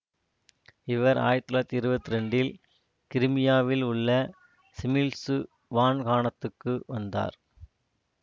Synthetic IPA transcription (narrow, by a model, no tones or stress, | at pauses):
ɪʋɐɾa̰ːjɪɾt̪ːɪlaːt̪ːiɪɾɯbɐt̪ːɪɾɛɳɖɪl | kɪɾɯmɪjaːʋɪlʊɭːɐ | sɪmɪlsɯ | ʋaːnkaːɳɐt̪ːɯkːɯʋɐnd̪a̰ːɾ